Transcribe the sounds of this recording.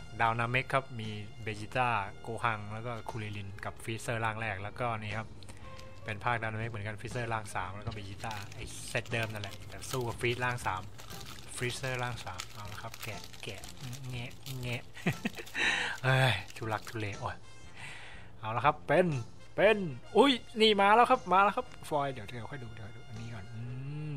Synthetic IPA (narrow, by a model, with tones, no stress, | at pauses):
daː˧wnaː˧me˦˥kʰːa˦˥p̚miː˧ | beː˧t͡ɕiː˧˥t̪aː˥˩koː˧ha˧ŋlɛ˦˥wkɔː˥˩kʰuː˧liː˧li˧nka˨˩p̚fi˦˥sɤː˥˩laː˥˩ŋɾɛː˥˩k̚lɛː˦˥wkɔː˥˧˩niː˧˥˩kʰa˦˥p̚ː | e˧npʰaː˥˩k̚daː˧wnaː˧me˦k̚m˩˦ŋka˧nfʰiː˦˥sɤː˥˩laː˥˩ŋsaː˩˦mlɛː˧˦˥kɔː˥˩be˧t͡ɕiː˧˥t̪aː˥˩ʔa˧˩j | se˦˥t̪̚dɤː˧mna˧˩lɛ˨˩˨t̪ɛː˨˩suː˥˩ka˨˩pfiː˦˥t̪̚laː˥˩ŋsaː˩˦m | fʰɾiː˦˥sɤː˥˩laː˧˥˩ŋsaː˩˦mʔa˧˩wla˧˩kʰa˦˥p̚kɛː˨˩ | kɛː˨˩˧ | ŋɛ˦˧˥ʔŋɛ˦˧˥ʔ | ʔɤː˧˩jt͡ɕʰuː˧˩la˦˥k̚t̪ʰu˧leː˧ʔoː˧˩j | ʔaː˧˩la˧kʰa˦˥pːe˧n | pe˧nʔu˦˥˩jniː˧˩maː˧˨lɛː˦˥wkʰa˦˥p̚maː˧˥lɛː˧˦˥wkʰa˦˥p̚fɔː˧jdi˩˦wt͡ɕa˨˩jwkʰɔ˥˩jduː˧d̪i˨˦kʰːduː˧ʔa˧nːiː˧˩kɔː˨˩nʔɯː˧